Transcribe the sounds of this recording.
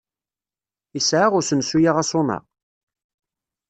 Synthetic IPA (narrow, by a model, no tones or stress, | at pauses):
isʕaʁʊɾsənsujaʁasʊnɑ̰ʁ